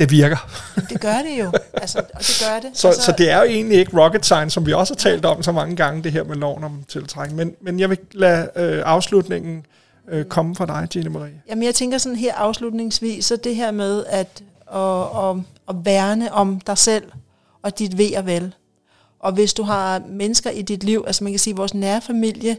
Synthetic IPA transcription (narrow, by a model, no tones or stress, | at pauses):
d̥e̝ʋiɐɡ̥ɐmd̥eɡ̥ɶɐɾ̥e̝jo̝ælsɐɒd̥e̝ɡ̥ɶɐɐɾ̥e̝sɒ̽ssɒ̽d̥e̝æɐjoe̝̰ːnlie̝ɡ̥əʁɒ̽ɡ̥əd̥sɑ̈ɪnsɒ̽mʋiɒ̽shɑ̈t͡sʰɛ̰ːld̥ɒ̽msɒ̽mɑ̈ŋəɡ̥ɑ̈ŋəd̥e̝ɦeɐ̰melɒʊ̰nɒ̽mt͡sʰe̝lt͡sʰʁaɡ̥əmenmenjɑ̈ɪʋe̝læøʔɑ̈ʊslud̥ne̝ŋ̰n̩ | økʰɒ̽məfʁɑ̈d̥ɑ̈ɪd̥ʰenəmɑʁḭːjæmənjɑɪt͡sʰeŋɡ̥ɐsɒ̽nn̩ɦeɐ̰ʔɑ̈ʊslud̥ne̝ŋsʋḭːsːɒ̽d̥e̝ɦeɐ̰meðˠæd̥ | ɒ̽ː | ʋæɐnəʔɒ̽md̥ɑ̈ɪsel̰ | ɒ̽d̥id̥ʋe̝̰ːɐʋæl | ʔɒ̽ʋe̝sd̥uɦɑ̈menəsɡ̥ɐʔid̥id̥liʊ̰ʔælsɐmænkʰæsiːʋɒːsnæɐfæmil̰jə